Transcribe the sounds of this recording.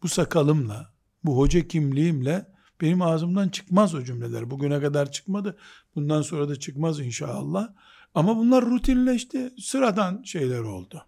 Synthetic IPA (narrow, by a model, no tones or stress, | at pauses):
b̥usakʰalˠɯmlˠa | buɦo̞d͡ʒacʰimlʲiimlʲɛ | b̥e̞nimaːzɯmd̪ant͡ʃʰɯ̥kmazod͡ʒymlʲelʲæ̰ɾbuɟynɛkad̪aɾt͡ʃʰɯ̥kmad̪ɯb̥und̪anso̞nɾad̪at͡ʃʰɯkmazinʃa̰ːlˠːah | amabunlˠaɾːut̪ʰinlʲɛʃt̪ʰisɯɾad̪anʃe̞jlʲæɾo̞̰lˠd̪ʊ